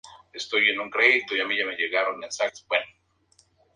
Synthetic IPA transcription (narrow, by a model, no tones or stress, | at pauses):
est̪ojenuŋkɾeit̪oiamiʝame̞ʝe̞ɣaɾonesak̚t̪o̥bweno